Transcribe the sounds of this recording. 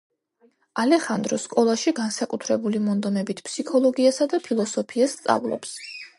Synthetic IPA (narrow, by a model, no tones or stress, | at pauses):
alɛχand̪ɾɔskʼɔlˠaʃiɡansakʼut̪ʰɾɛbulimɔnd̪ɔmɛbit̪ʰpʰsikʰɔlˠɔɡiasad̪apʰilˠɔsɔpʰiast̪sʼa̰vlˠɔ̰ps